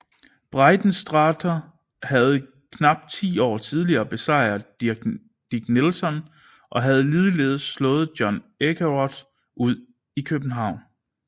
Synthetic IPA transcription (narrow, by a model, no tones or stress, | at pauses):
b̥ʁɑ̈ɪd̥n̩sd̥ʁɑ̈ːdʰɐ | hæð̞̩ˠ | kʰnɑ̈b̥̚d̥̚t͡sʰḭːɒ̰ːt͡sʰið̞ˠliɐːb̥e̝sɑ̈ɪ̰ɐ̥ | d̥iɡ̥nelsɒ̽n | ʔɒ̽ɦæð̞̩ˠliðˠəle̝ð̞ˠəslɔ̽ːð̞̩ˠd̥jɒ̽nekʰæʁɒd̥ | ʔuð̰ˠ | ikʰøb̥n̩ɦɑ̈ʊ̰n